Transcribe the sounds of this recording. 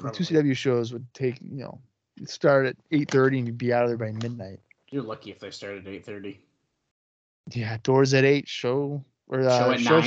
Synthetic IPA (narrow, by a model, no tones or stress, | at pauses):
ɨtʰʉsidʌbl̩ˠjʉʃoʊzwəd̚tʰeɪkjɨno̰ʊ | stɑɹɾɨɾeɪt̪̚θɜ˞ɾiɨ̃njɨd̚biaʊɾðə˞baɪmɪdⁿnaɪt̚ | jə˞lʌkiɨfðeɪstɑɹɾɨɾeɪt̪̚θɜ˞ɾi | jæd̥ɔɹzɨɾeɪtʃoʊ | ʔə˞ʌʃoʊ